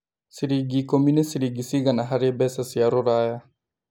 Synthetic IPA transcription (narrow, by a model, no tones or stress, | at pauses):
siɾiɡikominɛsiɾiɡisiɣanaɦaɾebɛsasiaɾuɾaja